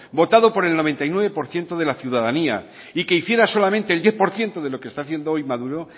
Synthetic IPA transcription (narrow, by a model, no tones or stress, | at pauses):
bo̞t̪aðo̞po̞ɾe̞lnoe̞nt̪ajnwe̞βe̞po̞ɾθje̞nt̪oðe̞laθjuðaðania | ike̞iθje̞ɾaso̞lamẽnt̪eːld̪je̞θpo̞ɾθje̞nt̪oð̞e̞lo̞kest̪aθje̞nd̪oojmaðuɾo̞